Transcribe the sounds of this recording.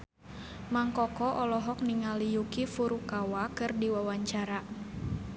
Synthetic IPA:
maŋkɔkɔʔɔlɔɦɔk̚niŋalijukifuɾukawakɨrdiwawaɲt͡ʃaɾa

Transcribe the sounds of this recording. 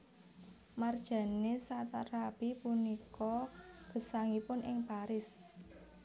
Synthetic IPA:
mard̥ʒ̥a̤nesat̪arab̥ipunikɔɡ̥ə̤saŋipʊnʔɪŋpaɾɪs

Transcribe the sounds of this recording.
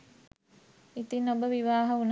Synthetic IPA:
it̪inːobəʋiʋaːɦəun

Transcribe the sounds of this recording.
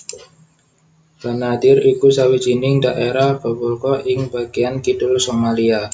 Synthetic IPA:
b̥anad̪ɪɾikusawi̥d͡ʒinɪŋdaʔeɾahb̥ə̤bulkɔʔɪŋbaɡ̥iankidʊlsomalia

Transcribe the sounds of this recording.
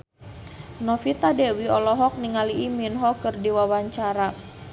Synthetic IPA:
nɔfit̪adɛwiɔlɔɦɔk̚niŋaliʔiminɦɔkərdiwawaɲt͡ʃaɾa

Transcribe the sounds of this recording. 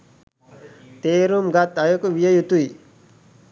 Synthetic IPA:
t̪eːɾumɡat̪ɐjokuʋijəjut̪ui

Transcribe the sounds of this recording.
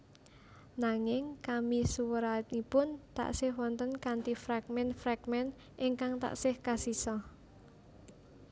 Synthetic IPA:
naŋɪŋkamisuwəɾat̪ipʊnt̪a̰ʔsɪhwɔnt̪ənkant̪ifɾaɡ̚mɛnfɾaɡmɛn | ʔɪŋkaŋt̪a̰ʔsɪhkasisɔ

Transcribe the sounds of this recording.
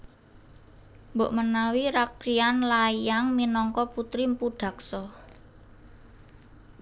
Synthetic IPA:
mboʔmənawiɾakɾianlajaŋminɔŋkɔput̪ɾimpuɖ̥a̤k̚sɔ

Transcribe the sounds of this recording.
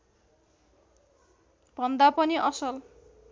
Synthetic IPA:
b̥ʱʌnd̪apʌniʔʌsʌl

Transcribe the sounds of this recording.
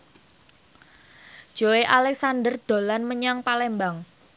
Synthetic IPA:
ʒ̥oeʔalɛksandərd̥o̤lanməɲaŋpalɛmbaŋ

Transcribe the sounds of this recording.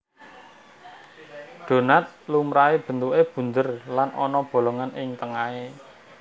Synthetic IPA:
ɖ̥o̤nat̪̚lumɾaeb̥ə̤nt̪uʔeb̥ṳnd̪ərlanʔɔnɔb̥o̤loŋanɪŋt̪əŋae

